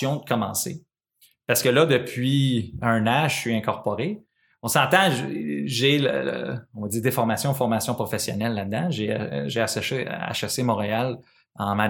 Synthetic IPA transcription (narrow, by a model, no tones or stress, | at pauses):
jɔ̃d̪əkɔmɑ̃sḛ | paʁsə̥kəlʌd̪əpʰɥiœ̃nãʒsɥiɛ̃kɔʁpɔʁe | ɔ̃sɑ̃t̪ɑ̃ʒʒelə̰l̰ɔ̃vd͡z̪iːʁd̪efɔʁmasjɔ̃fɔʁmasjɔ̃pʁɔfesjɔ̰nɛlːad̪ːãʒeʒeasa̰ʃasemɔ̃ʁeal | ɑ̃ma